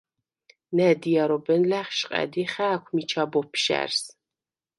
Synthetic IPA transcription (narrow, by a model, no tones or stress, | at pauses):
nɛdijaɾobɛnlæːχʃqʼæ̰diχæːkʷʰmit͡ʃʰabɔpʰʃæ̰rs